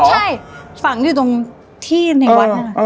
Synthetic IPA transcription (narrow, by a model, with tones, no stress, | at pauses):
ʔt͡ɕːʰa˥˩jfa˨˩ŋdt̪o˧ŋ | t̪ʰiː˥˩n˧˩˧wa˦˥˩a˥˩a˧˩˧